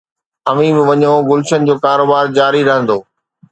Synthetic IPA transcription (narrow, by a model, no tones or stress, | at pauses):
ɐʋĩmɪ̃ʋɐɲõɡʊlʃənɪ̆d͡ʑoːkaːɾoːbaːɾd͡ʑaːɾiɾɐɦə̃nd̪oː